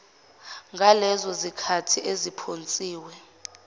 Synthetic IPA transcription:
ŋɡʱalɛzɔzikʰatʰiʔezipʰont͡sʼiːwɛ

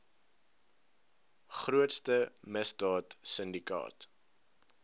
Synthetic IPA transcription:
χruətstəməsdɑːtsəndikɑ̰ːt

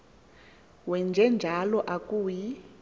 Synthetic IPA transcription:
wɛnd͡ʒʱɛnd͡ʒʱalɔʔakʼuːji

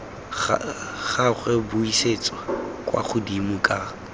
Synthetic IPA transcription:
χaχɛbʊiset͡sʼwakʼwa̰χʊdimʊkʼa

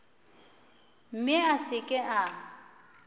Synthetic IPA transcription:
m̩mɪasɪkʼɪʔa

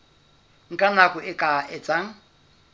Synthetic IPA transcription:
ŋ̩kʼanakʼʊɪkʼaɛt͡sʼaŋ̩

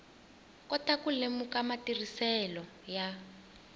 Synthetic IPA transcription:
kɔtakulemukamatirisɛlɔ | ja

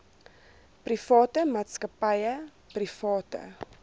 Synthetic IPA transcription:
prifɑːtəmɑːtskəpɐjə | prifɑːtə̰

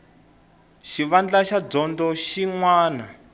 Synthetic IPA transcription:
ʃiʋand͡ɮaʃad͡zɔndɔʃiŋwaːna

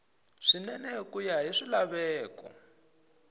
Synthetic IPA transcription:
ʂinɛnɛkujaɦiʂilaβɛːkɔ̰

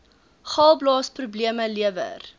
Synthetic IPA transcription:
χɑlˠblɑːsprubliəməliəvə̰r

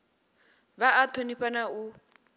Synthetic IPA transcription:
βaat̪ʰoniɸanau

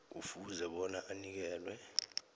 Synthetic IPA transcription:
ṵfuzɛɓɔnaʔanik̬ɛːlwɛ

